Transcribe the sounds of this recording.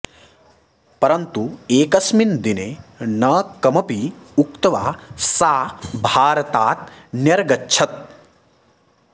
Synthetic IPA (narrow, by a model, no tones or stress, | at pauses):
pɐɾɐnt̪ueːkɐsmind̪inenɐkɐmɐpiukt̪ɐʋaːsaːbʱaːɾɐt̪aːt̪̚njɐɾɡɐtːt͡ʃʰɐt̪̚